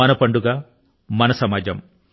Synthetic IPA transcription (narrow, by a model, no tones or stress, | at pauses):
ɐnɐpɐɳɖuɡaː | mɐnɐsɐmaːd͡ʒɐm